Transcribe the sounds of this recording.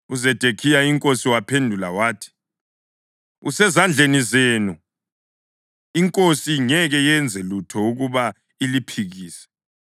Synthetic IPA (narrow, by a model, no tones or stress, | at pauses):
uzɛd̥ʱekʰijaiŋkʼosiwapʰendʱula̰waːtʰi̥ | usɛzand͡ɮʱenizeːnu | iŋkʼosiŋɛɣɛjɛnd͡zʱɛlutʰɔuɣuβa | ilipʰiɣiːsɛ̥